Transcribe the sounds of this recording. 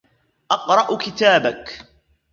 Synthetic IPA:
ʔɑqɾˤɑʔkɪt̪aːbak

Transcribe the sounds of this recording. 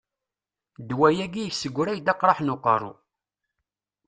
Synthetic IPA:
d̪wæjæɡijəçsəɡʷːɾæjd̪ɑqɾˤɑħnʊqə̰rˤṵ

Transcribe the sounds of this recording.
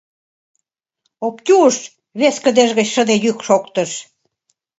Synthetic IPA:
opt̪ʲuʃ | βeskəd̪eʒɣət͡ɕʃəd̪ejykʃokt̪ə̆ʃ

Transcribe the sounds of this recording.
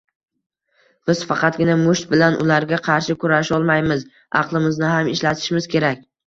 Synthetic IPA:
b̥ɪz̥fɑqʰɑt̪̚ɡʲɪnamʊʃt̪̚bɪlanʔʊ̰laɾɡʲaqʰɑɾʃɪkʰʊɾaʃɒlˠmajmɪz | ɑ̰qlˠɪmɪznɪɦamɪʃlat̪ʰɪ̥ʃmɪzkʲʰe̞ɾakʲ

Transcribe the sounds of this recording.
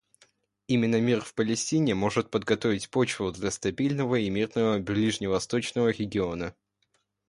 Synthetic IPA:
imʲɪnːəmʲirfpəlʲɪsʲtʲinʲɪmo̞ʐɨt̪̚pəd̪ɡɐt̪o̞vʲɪtʲpo̞t͡ɕvʊd̪lʲɐst̪ɐbʲilʲnəvəimʲird̪nəvəblʲiʐnʲɪvɐst̪o̞t͡ɕnəvəɾʲɪɡʲɪo̞nə

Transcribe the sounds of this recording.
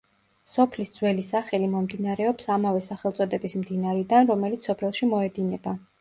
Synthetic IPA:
sɔpʰlisd̪zwɛlisaχɛlimɔmd̪inaɾɛɔpsamavɛsaχɛlˠt̪sʼɔd̪ɛbismd̪inaɾɛd̪anɾɔmɛlit̪sɔpʰlɛlˠʃimɔɛd̪inɛba

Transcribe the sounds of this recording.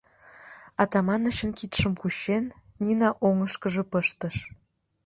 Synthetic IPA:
ɑt̪ɑmɑnət͡ɕə̆nkit̪ʃə̆mkuɕenː | inɑʔoŋəʃkə̆ʒɤ̆pəʃt̪əʃ

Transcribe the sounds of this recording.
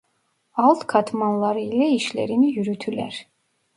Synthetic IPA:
alˠt̪kʰat̪ʰmanlˠaɾilɛiʃlɛ̰ɾinijyɾyt̪ʰylɛ̰ɾ

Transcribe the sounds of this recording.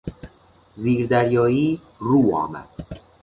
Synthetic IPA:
ziːɾd̪æɾjɒːiː | ɾuːɒ̰ːmæ̰d̪̥

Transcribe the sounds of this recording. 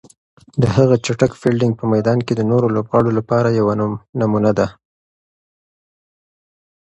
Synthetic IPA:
d̪əɦaɣat͡ʃaʈakfilɖɪŋɡ̚pəmajd̪ɑnked̪ənoɾolobɣɑɽolapɑɾajawannamunad̪a

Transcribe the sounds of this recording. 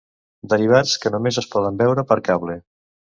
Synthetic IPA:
d̪əɾiβ̞at͡skənumezəspɔðəmbɛwɾəpəɾkaβle

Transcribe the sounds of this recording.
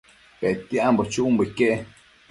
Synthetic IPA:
pet̪iambot͡ʃuʔumbəikeʔe

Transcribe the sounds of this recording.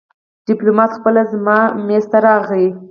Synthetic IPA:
ɖ̥ɪplomɑt̪xpəlazmɑmest̪aɾɑɣli

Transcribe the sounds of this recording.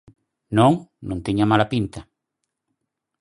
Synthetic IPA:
nõŋnõŋt̪iɲamalapint̪ɐ

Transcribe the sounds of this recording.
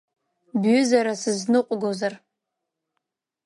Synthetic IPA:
bɥʊzaɾasɨznɨqʷʼɡozar

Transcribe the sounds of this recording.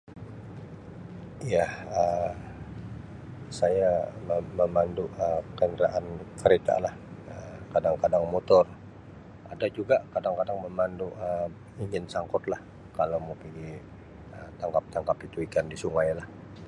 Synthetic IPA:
jahə | sajaməməmanduʔəkənɾaʔankəɾet̪a̰lahəkadaŋkadaŋmot̪ʊr | a̰dad͡ʒuɡakadaŋkadaŋməmanduʔə | iɲd͡ʒɪnsaŋkʊt̪lah | kalawmukinɡi | ət̪aŋkap̚t̪aŋkapit̪uikandisuŋajlah

